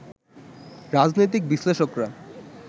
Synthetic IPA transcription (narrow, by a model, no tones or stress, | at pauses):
ɾad͡ʑnojt̪̬ik̚biʃleʃokɾa